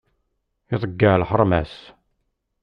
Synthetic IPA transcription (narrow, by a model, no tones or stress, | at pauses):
ɪðˤəɡːalħəɾˤmæs